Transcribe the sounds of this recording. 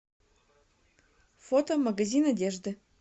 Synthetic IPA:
fot̪omɐɡɐzʲinɐdʲeʐd̪ɨ

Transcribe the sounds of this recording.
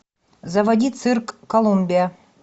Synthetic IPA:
zɐvɐdʲit̪sʰɨrkːolˠumʲbʲija

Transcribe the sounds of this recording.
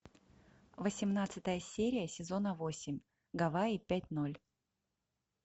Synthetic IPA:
vəsʲɪmnat̪sɨt̪əjəsʲeɾʲɪjəsʲɪzo̞nəvosʲɪmʲ | ɡɐvaipʲæt̚ʲno̞lʲ

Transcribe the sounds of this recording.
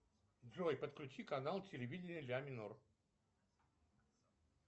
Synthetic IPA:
dʐojpət̪klʲʊt͡ɕikɐnalˠtʲɪlʲɪvʲidʲɪnʲɨlʲamʲɪnor

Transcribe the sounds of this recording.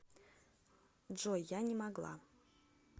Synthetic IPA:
ʐojanʲɪmaɡlˠa̰

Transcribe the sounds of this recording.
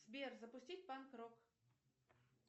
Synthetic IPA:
sbʲerzɐpʊsʲtʲitʲpankɾok

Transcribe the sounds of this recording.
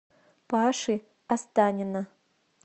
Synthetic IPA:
pʰaʂɨ | ast̪anʲina

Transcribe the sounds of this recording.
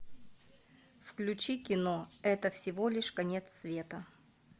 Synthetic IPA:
fklʲʉt͡ɕikʲɪnoɛt̪əfsʲɪvolʲɪʂkɐnʲe̞t̪sːvʲe̞t̪ə

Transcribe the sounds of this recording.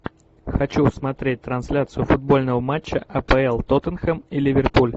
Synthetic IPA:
xɐt͡ɕusmɐt̪ɾʲet̚ʲt̪ɾɐnsʲlʲat̪sɨjʊfʊd̪̚bo̞lʲnəvəmat͡ɕːəʔɐpɛɛlˠt̪ot̪ənxəmilʲɪvʲɪrpulʲ

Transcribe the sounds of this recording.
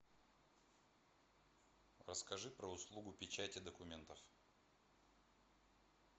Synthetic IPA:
rəskɐʐɨpɾəʊslˠuɡʊpʲɪt͡ɕætʲɪd̪əkʊmʲe̞nt̪əf

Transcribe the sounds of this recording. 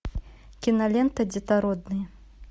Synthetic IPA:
kʲinɐlʲɛnt̪ɐd͡zʲit̪aɾɔd̪̚nɨjɐ

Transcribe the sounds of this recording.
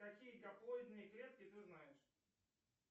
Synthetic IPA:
ɐkʲijəkɐplˠoɪd̪nɨjkɾʲet̪̚kʲɪt̪ɨznajɪʂ

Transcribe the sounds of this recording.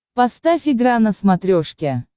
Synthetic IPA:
pɐst̪afʲiɡɾanəsmat̪ɾʲoʂkʲe

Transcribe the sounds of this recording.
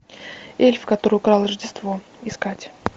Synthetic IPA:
elʲfkɐt̪o̞ɾɨjʊkɾɑlˠrəʐdʲɪst̪vo̞ | ɪskatʲ

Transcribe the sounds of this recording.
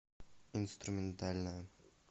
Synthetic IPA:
inst̪ɾumʲent̪alʲna

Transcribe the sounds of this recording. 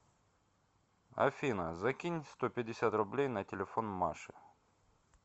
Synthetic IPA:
ɐ̰fʲinəzɐkʲinʲst̪opʲɪdʲɪsʲat̪rʊblʲejnətʲɪlʲɪfo̞nmaʂɨ

